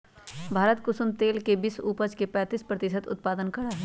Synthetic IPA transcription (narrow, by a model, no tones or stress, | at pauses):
bʱaːɾət̪kʊsʊmt̪eːlkebisṵːpəd͡ʒkepɛ̃ːt̪iːspɾət̪ɪsət̪ʊ̰t̪paːd̪ənkɐɽaɦɛː